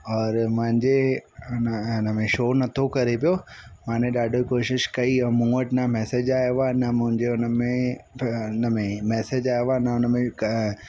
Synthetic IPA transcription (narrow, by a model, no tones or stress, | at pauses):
ɔːɾmʊ̃ɦɪ̃ɲd͡ʑeʊnəʊnəmẽʃoːnɐt̪ʰokɐɾepijomãːnẽɗaːɖʱokoːʃɪʃkɐiɛ̃mũːəʈnamɛːsed͡ʑaːjʋanɐmʊ̃ɦɪ̃ɲd͡ʑeʊnəmẽ | nəmẽmɛːsed͡ʑaːeʋanɐʊnəmẽk